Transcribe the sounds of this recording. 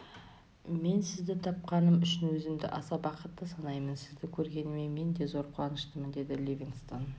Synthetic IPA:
me̞nsɪzd̪ɪt̪ʰɑp̚qɑnəmʏʃɪnwɵzɪmd̪ɪ̰ʔɑsɑbɑqət̪ːəsɑnɑjmənsɪzd̪ɪkʲʰɵɾɡʲe̞nme̞me̞nd̪e̞zo̞ɾqʰwˠɑnəʃt̪əmənd̪e̞d̪ɪlʲivʲiŋst̪on

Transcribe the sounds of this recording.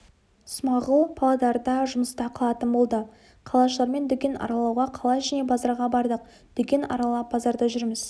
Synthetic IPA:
smɑʁəlˠpʰɑlˠɑd̪ɑɾd̪ɑʒʊməst̪ɑqʰəlˠɑt̪ənbo̞lˠd̪ə | qʰɑlˠɑʃəlˠɑɾme̞nd̪ʏkʲe̞nʔɑ̰ɾɑlˠɑwʁɑqʰɑlˠɑjʒæne̞bɑzɑɾʁɑbɑɾd̪əq̚ | d̪̥ʏkʲe̞nɑ̰ɾɑlˠɑp̚b̥ɑzɑɾd̪ɑʒʏɾmɪz

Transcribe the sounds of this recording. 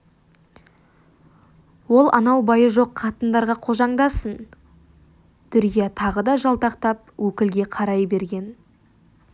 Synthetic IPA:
wo̞lˠʔɑ̰nɑwbɑjəʒo̞qʰːɑt̪ənd̪ɑɾʁɑqʰo̞ʒɑɴd̪ɑsən | t̪ʰʏɾkʲijɑt̪ʰɑʁəd̪ɑʒɑlˠt̪ɑqt̪ɑp̚wɵkʲɪlɡʲe̞qʰɑɾɑjbe̞ɾɡʲe̞n

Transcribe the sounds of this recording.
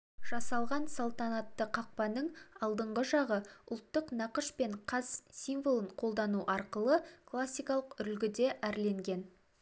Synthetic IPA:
ʒ̥ɑsɑlˠʁɑnsolˠt̪ɑnɑt̪ːəqʰɑq̚pɑnəɴɑlˠd̪əɴʁəʒɑʁəʊlˠt̪ːəqnɑqəʃpe̞ɴqʰɑzsijmvolˠəɴqʰo̞lˠd̪ɑnuʔɑɾqəlˠəkʰlˠasʲːijkɑlˠəqʏlɡʲɪd̪e̞ʔæɾle̞ŋɡʲe̞n

